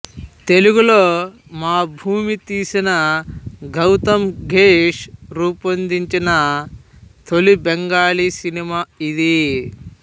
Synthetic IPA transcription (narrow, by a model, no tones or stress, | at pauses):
t̪e̞luɡuloː | maːbʱuːmit̪iːsinɐɡɐwt̪ɐmɡʱeːʂɾuːpɐnd̪iɲt͡ʃinɐ | t̪ʰolibeŋɡaːlisinimaːid̪i